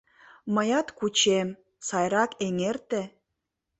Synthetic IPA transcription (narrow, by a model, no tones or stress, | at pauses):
məjɑt̪kut͡ɕem | sɑjɾɑkeŋert̪e